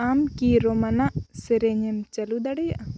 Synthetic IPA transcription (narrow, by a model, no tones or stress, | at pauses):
amkiɾɔmanaʔsɛɾɛɲɛmt͡ʃɐlud̪aɽɛjaʔa